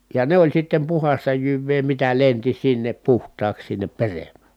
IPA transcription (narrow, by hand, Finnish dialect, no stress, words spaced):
jɑ ne olʲ sitːem puhɑstɑ jyʋːeː mitæ lenti sinːep puhtˑɑːks sinːep peremˑæ